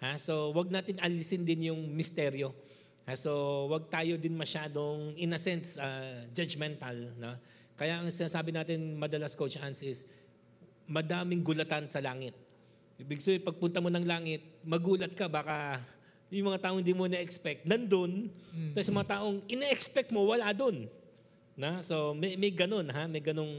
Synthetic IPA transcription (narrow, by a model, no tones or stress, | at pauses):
haso̞wɐɡ̚naːt̪ɪnɐlɪsɪnd̪ɪnjʊŋmɪst̪ɛɾjo̞ | haso̞wɐɡ̚t̪aːjo̞d̪ɪnmɐʃaːd̪o̞ŋʔɪnɐsɛnsɐd͡ʒɐd͡ʒmɛnt̪ɐlno | kɐjaʔɐŋsɪnaːsaːbɪnaːt̪ɪnmɐd̪ɐlaskot͡ʃansʔɪs | mɐd̪aːmɪŋɡʊlɐt̪ansɐlaːŋɪt̪̚ | ʔibɪɡ̚sɐbejpɐɡ̚pʊnt̪ɐmo̞nɐŋlaːŋɪt̪̚mɐɡuːlɐt̪̚kɐbaːkɐ | jʊŋmɐŋat̪aːʔoŋɪnd̪imoɪnʔɛkspɛk̚t̪̚nɐnd̪ont̪ːsjʊŋmɐŋat̪aːʔo̞ŋʔɪnɛʔɛkspɛk̚t̪̚mo̞wɐlad̪o̞nː | oso̞mɛjmɐjɡɐno̞nɦamɐjɡɐno̞ŋ